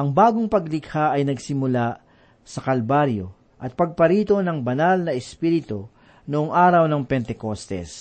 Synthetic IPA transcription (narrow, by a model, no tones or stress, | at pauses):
ʔɐŋbaːɡoŋpɐɡlɪɡhaʔɐjnɐɡsɪmʊla | sɐkɐlbaɾjo̞̰ | ʔɐt̪̚pɐɡ̚pɐɾiːt̪o̞nɐŋbɐnalnɐʔɛspiɾɪt̪o | noʔoŋʔaːɾɐwnɐŋpɛnt̪ɛkost̪ɛ̰s